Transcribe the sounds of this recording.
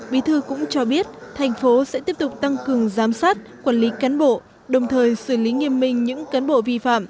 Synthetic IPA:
ɓi˨˦t̪ʰɨ˧kʊ̰˧˥ŋ͡mt͡ɕɔ˧ɓi˦˥ət̚t̪ʰa˨˩jŋ̟fo˨˦sɛ̰˧˥t̪i˦˥əp̚t̪k͡p̚t̪a˧ŋkɨ˨˩əŋzaː˨˦msaː˦˥t̚kwaː˧˩nli˨˦kaː˨˦nɓo̰˧˨ | ɗə˨˩wŋ͡mt̪ʰəː˨˩jsɨ˧˩li˨˦ŋi˧əmːï˧ŋ̟ɲɨ̰˧˥ŋkaː˨˦nɓo̰˧˨vi˧fa̰ː˧˨m

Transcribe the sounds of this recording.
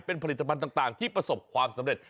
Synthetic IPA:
pe˧npʰa˧li˨˩t̪ːpʰnt̪aː˨˩ŋt̪aː˨˩ŋt̪ʰiː˥˩pɾa˧so˨˩p̚kʰwaː˧msa˩˦mɾe˨˩t̪̚

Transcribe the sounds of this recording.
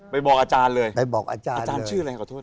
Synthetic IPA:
pa˧jbɔː˨˩k̚aː˧t͡ɕaː˧nlɤː˧jpa˧jbɔː˨˩k̚ʔa̰ː˧t͡ɕaː˧a˧n˧aː˧n˧t͡ɕʰɯː˥˩la˧ha˧˩kɔ˧˩t̪̚ʰː

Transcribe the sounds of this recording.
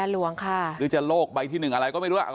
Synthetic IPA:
a˧lu˧˦əŋkʰa˥˩ɯː˨˦t͡ɕa˨˩loː˥˩k̚ɓa˧jt̪ʰiː˥˩nɯ˨˩ŋʔa˧ɾa˧jkɔː˥˩ma˥˩jɾu˧˥˩la̰˨˩

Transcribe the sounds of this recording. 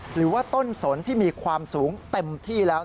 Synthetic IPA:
ɾɯː˩˦waː˥˩t̪o˥˩nso˩˦nt̪ʰiː˥˩miː˧kʰwaː˧msuː˩˦ŋt̪e˧mt̪ʰiː˥˩lɛː˦˥

